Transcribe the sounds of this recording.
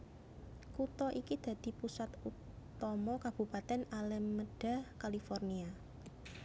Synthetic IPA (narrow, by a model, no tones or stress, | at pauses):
kut̪ɔʔikid̪̥ä̤d̪̥i̤pusat̪u | t̪ɔmɔkab̥ṳpat̪ɛnalɛmːəɖ̥a̤kalifɔrnia